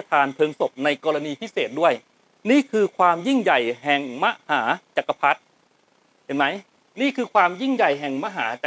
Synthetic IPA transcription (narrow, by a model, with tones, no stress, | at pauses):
a˧t̪ʰaː˧np̪ʰɤː˧ŋso˨˩p̚na˧jkɔː˧ɾa˧niː˧pʰi˦˥˩seː˨˩t̪̚du˥˩əj | niː˥˩kʰɯː˧kʰwaː˧mji˥˩ŋja˨˩jɦɛ˨˩ŋma˦˥ʔhaː˩˦t͡ɕa˨˩kːa˧pʰa˦˥t̪̚ | he˨˩nma˦˥j | niː˥˩kʰɯː˧kʰwaː˧mji˥˩ŋja˨˩jɦɛ˨˩ŋma˦˧˥ɦaː˩˦t͡ɕa˨˩